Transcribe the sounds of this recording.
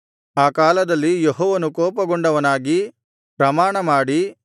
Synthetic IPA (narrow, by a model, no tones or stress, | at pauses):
aːkaːlɐd̪ɐlːijeɦɔːʋɐnukɔːpɐɡoɳɖɐʋɐnaːɡi | pɾɐmaːɳɐmaːɽi